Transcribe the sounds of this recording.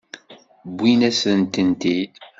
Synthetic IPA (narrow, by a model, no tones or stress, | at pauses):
bʷːinæsənt̪ənt̪i